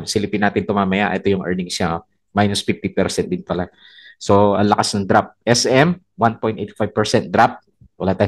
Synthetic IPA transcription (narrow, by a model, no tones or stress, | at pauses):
nsɪlɪpinːaːt̪ɪnt̪ʊmaːmɐjaʔɛ̰t̪o̞jʊŋʔɛɹnɪŋsa | majnosfift̪ipɛɾsɛnt̚d̪ɪnpɐla | so̞ʔɐŋlɐkasnɐŋd̪ɾap̚ʔɛsɛm | wanpo̞jnt̪ʔɛjt̪fajb̚pɛɹsɛnt̪̚d̪ɾap̚ | wɐlaːt̪aː